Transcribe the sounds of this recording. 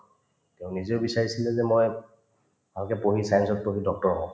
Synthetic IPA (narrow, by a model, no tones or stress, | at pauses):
teʊ̃niziʊbisaɹisilɛzɛmoj | alkɛpoɦisajnsɔt̚pobidɔk̚tɔɹɔɦɔ̃